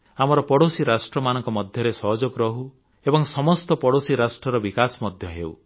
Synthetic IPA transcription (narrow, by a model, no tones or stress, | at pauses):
amɔɾɔpɔɽosiɾasʈɾɔmanɔŋkɔmɔd̪ʱjɔɾesɔɦɔd͡ʒɔkɾɔɦu | ebɔŋsɔmɔst̪ɔpɔɽosiɾasʈɾɔɾɔbikasɔmɔd̪ʱjɔɦḛw̰